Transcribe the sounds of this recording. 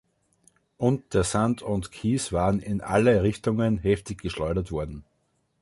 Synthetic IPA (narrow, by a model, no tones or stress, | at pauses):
ʔʊ̃ntd̥eːɐsandʰʊ̃ntkʰiːsv̥aːʁənɪnʔa̰ləʁɪçtʊŋənɦɛftɪçɡ̥əʃlɔʏɾɐtv̥ɔɐdn̩